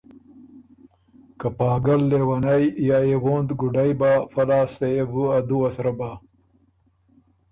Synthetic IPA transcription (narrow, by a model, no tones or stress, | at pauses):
kɐpɑːɡɐlːeːwɐnɐjjaewoːnd̪ɡuɖajbafɐlaːsejebuad̪uɐsɾɐba